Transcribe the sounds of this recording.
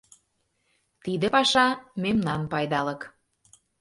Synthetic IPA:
t̪id̪ə̆pɑʃɑmemnɑnpɑjd̪ɑlə̆k

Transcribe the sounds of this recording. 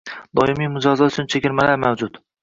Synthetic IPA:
d̪ɒɪmijmʊd͡ʒɒzɒt̪ʊt͡ʃʰʊnt͡ʃʰekʲɪɾmalaɾmawd͡ʒʊt̪

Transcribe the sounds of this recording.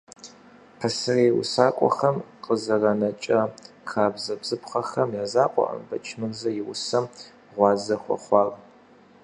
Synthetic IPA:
pʰɐsɨreːwʊ̰saːkʷʼɔ̰xɐmqəzɐrɐnɐt͡ʃʼɐ | xaːbzɐbz̥ɨpχɐxɐmjaːzaːqʷʼɔ̰ʔɐ̰mbɐt͡ʃʰmɨrzɐjɪwʊsɐm | ʁʷɑːzɐxʷɔ̰χʷɑːr

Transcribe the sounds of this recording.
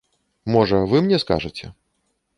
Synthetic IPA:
mɔʐɐvɨmnʲɛska̰ʐɨt͡sʲɛ̰

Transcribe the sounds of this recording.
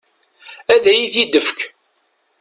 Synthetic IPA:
æðæjiθid̪əfk

